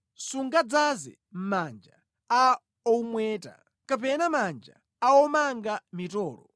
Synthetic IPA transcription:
suŋɡad͡zazɛ̰ | m̩mand͡ʒa | a | ɔmwɛːta̰ | kap̬ɛnamand͡ʒa̰ | aɔmaŋɡamitɔːlɔ̰

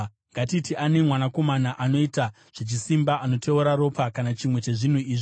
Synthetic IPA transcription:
ŋɡatitiʔanemwanako̞manaʔano̞ita | ʐ̥et͡ʃisimbaʔanotʰe̞uɾaɾo̞pakanat͡ʃimwe̞t͡ʃe̞ʐin̤uiːʐi

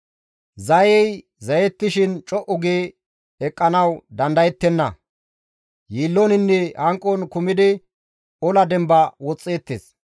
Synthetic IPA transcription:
zɐjɛj | zɐjɛt̪ːɪʃɪnt͡ʃʼɔʔʊɡeː | ɛkʼːɐnɐwd̪ɐnd̪ɐjɛt̪ːɛnːɐ̰ | jiːlːonɪnːɛɐŋkʼːɔnkʊmɪd̪ɪ | ɔlɐd̪ɛmbɐwɔt͡sʼːeːt̪ːḛːs

